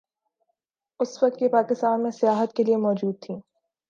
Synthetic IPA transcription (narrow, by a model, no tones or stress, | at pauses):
ʊsʋɐk̚t̪̚kipaːkɪst̪aːnmẽsɪjaːɦət̪keliemɔːd͡ʒuːd̪̚t̪ʰĩː